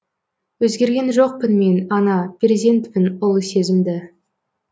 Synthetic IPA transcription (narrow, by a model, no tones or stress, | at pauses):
wɵzɡʲe̞ɾɡʲe̞nʒo̞q̚pɪnme̞nɑnɑpʲrʲezʲe̞nt̪pɪnʊlˠse̞zɪmd̪ɪ